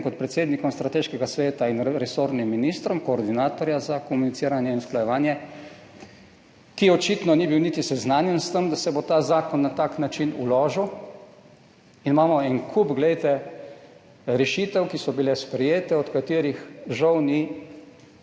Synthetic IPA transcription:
kɔt̪pɾɛt̪seːd̪nikɔmst̪ɾat̪eːʃkɛɡasʋeːt̪ainɾɛsoːɾnimːiniːst̪ɾɔmkoːɾd̪inaːt̪ɔɾjazakɔmunit̪iːɾanjɛinsklajɛʋaːnjɛ | kiɔt͡ʃit̪nɔnibiwnit̪isɛznaːnjɛnst̪əmd̪asɛbot̪aːzaːkɔnːat̪aːknat͡ʃinṵlɔːʒiw | inmaːmɔɛnkʰupɡlɛjt̪ɛ | ɾɛʃit̪ɛwkisɔbilɛspɾɛjeːt̪ɛɔt̪kat̪iɾixʒawni

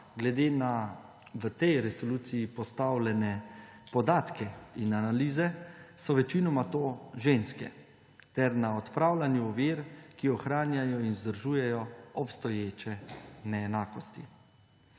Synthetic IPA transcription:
ɡlɛd̪eːna | ʋət̪ɛjɾɛsɔluːt̪sijipɔst̪awlɛnɛ | pɔd̪aːt̪kɛinanaliːzɛsɔʋɛt͡ʃinɔmat̪oːʒeːnskɛ̰ | t̪ɛɾnaɔt̪pɾaːwlanjuɔʋiːɾkiɔxɾaːnjajɔinzd̪əɾʒuːjɛjɔɔpst̪ɔjeːt͡ʃɛnɛːnaːkɔst̪ḭ

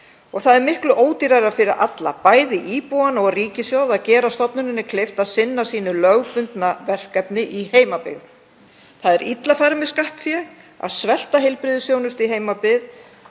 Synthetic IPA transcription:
ɔɣθaðɛɾmɪhklʏʔoːwt̪iɾajɾḁfɪɾɪɾʔa̰t̪la̰paːjðɪʔiːpuanɔɣriːcɪsjawðaðcɛːɾast̪ɔpnʏnɪnːɪkʰlɪft̪aðsɪnːasiːnʏlœɣpʏnt̪navɛr̥kɛpnɪʔiheːjmapɪ̰ɣð | θaðɛɾit̪lafaɾmɪskaht̪fjɛɣ | a̰ðsvɛl̥t̪aɦejlpɾɪðɪsjownʏst̪iɦeːjmapɪð

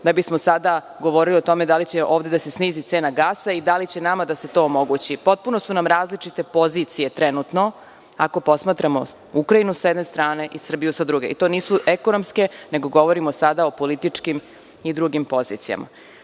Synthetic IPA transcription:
d̪abismosad̪a | ɡo̞ʋo̞ɾiliot̪o̞me̞d̪alit͡ɕeʔoːʋd̪ed̪ase̞sniːzit̪se̞ːnaɡaːsaid̪alit͡ɕe̞namad̪ase̞t̪o̞ːmo̞ɡut͡ɕipo̞t̪̚punosunamɾaːzlit͡ʂit̪e̞po̞ziːt̪sije̞t̪ɾenut̪no̞ | ako̞po̞smaːt̪ɾamo | ukɾainusjed̪ne̞st̪ɾaːne̞ʔisr̩bijusad̪ɾuɡe̞̰ḭt̪o̞ːniːsuʔeko̞nomske̞ne̞ɡo̞ɡo̞ʋoɾimosad̪aopo̞lit̪it͡ʂkim | id̪ɾuɡimpo̞zḭt̪sija̰ma̰

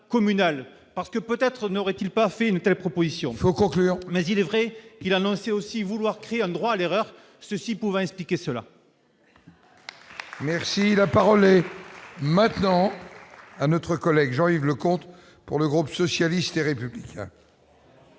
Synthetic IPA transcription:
kɔmynal | paʁsə̥kəpøt̪ɛt̪χənɔʁɛt̪ilpafɛynt̪ɛlpχɔpozisjɔ̃fokɔ̃klyːʁmɛzilɛvʁɛkilanɔ̃seosivulwaʁkχeeɛ̃d̪ʁwaːleʁœʁ | səsipuvɑ̃ɛ̃ksplikʲesəla̰ | mɛʁsilapaʁɔlɛ | mɛ̃t̪nɑ̃ | anɔt̪χəkɔlɛɡʒɑ̃ivləkɔ̃t̪ | puʁləɡʁupsɔsjalist̪eʁepyblikʲʰɛ̰̃

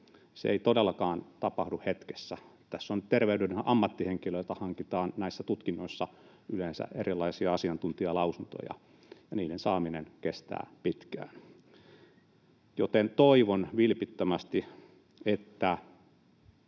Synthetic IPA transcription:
sḛḛit̪odelːˑɑkɑːnt̪ɑpɑhduhet̪ke̥sːæt̪æsːont̪erʋeydynenʔɑmːɑt̪ːiheŋkilølt̪æhɑŋkit̪ɑːnnæisːæt̪ut̪kinːoisːɑ | yleːnsæ̰ʔerilːˑɑisiɑɑsiɑnt̪unt̪iɑlɑusunt̪o̰jɑ̰ | jɑniːdensɑːminenkest̪æ̰ːpit̪kæ̰ːn | jot̪ent̪oiʋonʋilpit̪ːømæst̪i | et̪ːæ

